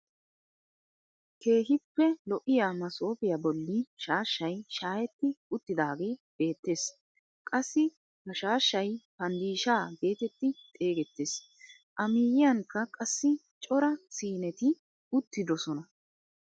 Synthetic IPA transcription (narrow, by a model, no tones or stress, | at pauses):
ke̞ːɦɪpːɛlɔʔɪjaːmɐso̞ːpɪjabɔlːɪʃaːʃːɐjʃaːjɛt̪ːɪʊt̪ːɪd̪aːɡe̞ːb̥e̞ːt̪ːe̞ːs | kʼɐsːɪ | bɐʃaːʃːɐjpɐnd̪iːʃaːbe̞ːt̪ɛt̪ːɪt̪ʼe̞ːɡɛt̪ːeːs | ʔɐmiːjɪjɐŋkːɐkʼɐsːɪ | t͡ʃʼɔɾɐsiːnɛt̪ɪ | ʊt̪ːɪd̪ɔsɔnɐ